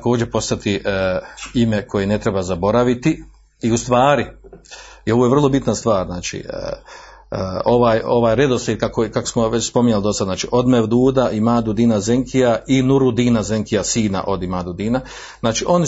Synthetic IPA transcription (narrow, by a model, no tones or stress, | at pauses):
ako̞ːd͡ʑepo̞st̪at̪iʔ | ime̞kʰo̞jene̞t̪ɾebazabo̞ɾaʋit̪i | iust̪ʋaːɾi | io̞ʋoje̞ʋr̩lˠo̞bit̪nast̪ʋaːɾznaːt͡ʃḭ | o̞ʋaːjo̞ʋaːjɾed̪osid̪kakokako̥smoʋet͡ɕspo̞miɲalid̪o̞sad̪znaːt͡ʃiʔo̞d̪meʋd̪uːd̪aʔimaːd̪ud̪iːnazeŋkʰijainuɾud̪iːnaze̞ŋkijasiːna̰ʔo̞d̪imaːd̪ud̪iːna | znaːt͡ʃiʔo̞n